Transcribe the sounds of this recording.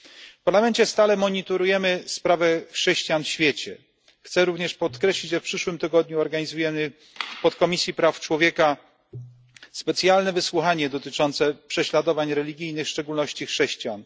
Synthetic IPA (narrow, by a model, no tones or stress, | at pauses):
fpaɾlamɛnt͡ɕɛst̪alɛmɔɲit̪ɔɾujɛmɘspɾavɛxʂɛɕt͡ɕijanfɕfʲjet͡ɕɛ | xt̪sɛɾuvɲɛʂpɔt̪kɾɛɕlʲid͡ʑʐɛfpʂɘʂwɘmt̪ɘɡɔd̪̚ɲuɔɾɡaɲizujɛmɘ | pɔt̪kɔmʲisʲjipɾaft͡ʂwɔvʲjɛka | spɛt̪sʲjalnɛvɘswuxaɲɛd̪ɔt̪ɘt͡ʂɔnt̪sɛpʂɛɕlad̪ɔvaɲɾɛlʲiɡʲijnɘxʂt͡ʂɛɡulnɔɕt͡ɕixʂɛɕt͡ɕijan